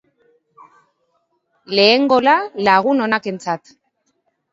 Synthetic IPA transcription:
le̞ːŋɡo̞lalaɣuno̞nake̞nt͡sat̪

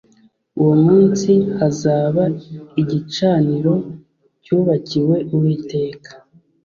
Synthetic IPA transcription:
uwomuːnsiazaːβaiɟit͡ʃaːniɾo̞ | cuːβaciwe̞ʔuwiːte̞ːkḁ

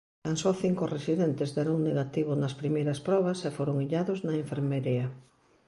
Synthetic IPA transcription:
kansoθiŋkʊresiðent̪ɪzdɛɾoŋneɣat̪iβʊnɐspɾimejɾɐspɾɔβ̞ɐsefoɾʊŋiʎaðoznɐeɱfeɾmeɾiɐ

